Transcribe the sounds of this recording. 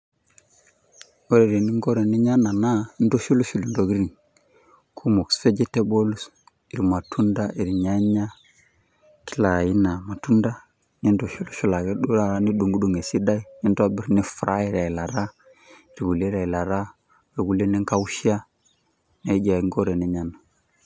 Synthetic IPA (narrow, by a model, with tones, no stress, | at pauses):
o˦ɾe˨ɾe˨ni˦ŋɡo˦ɾe˨ni˦ɲa˦na˨na˦ndo˦ʃu˦lo˦ʃu˨li˨ndo˨ɣi˦ɾi˨ŋ | kʰu˦mo˨ksfe˦d͡ʒe˦te˦bo˦lu˦s | i˨ɾi˨ma˨tʰu˦nda˦ʔi˨ɾi˨ɲa˦ɲa˦ | ki˦la˨ji˦na˨ma˨tu˦nda˦ | ni˦ndo˨ʃu˦lʃu˦˨la˨ɣe˦ɗu˦ɾa˦ni˦ɗu˨ŋɡu˦ɗu˦˨ŋe˨si˦da˦i˦i˦nda˦bi˦ɾni˦fɾa˦i˦ɾa˨i˨la˨ɾa˦ | i˨ɾɡu˨le˦ɾa˨i˨la˨ɾa˦ | e˨ɡu˨le˦ni˦ŋka˦u˦ʃi˦a˦ | na˨i˦d͡ʒa˨˦ŋɡo˦ɾe˨ni˦ɲa˦na˨